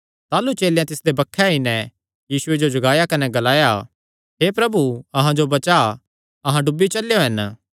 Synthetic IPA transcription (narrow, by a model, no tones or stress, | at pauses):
t̪aːlut͡ʃeːljãt̪ɪsd̪ebɐkʰːɛɦinɛ | jiːsʊed͡ʒod͡ʒʊɡaːjakɐnɛɡɐlaːja | ɦepɾɐbuɐɦãd͡ʒobɐt͡ʃa | ɐɦãɖʊbːit͡ʃɐljoɦɐn